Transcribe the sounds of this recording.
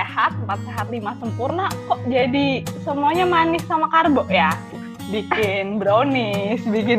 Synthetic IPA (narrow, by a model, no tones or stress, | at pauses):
ehat̪̚mpat̪̚seɦat̪limasəmpurnakɔʔd͡ʒadisəmuaɲamanɪsːamakarbɔʔja | bikɪnbɾonɪsbikɪn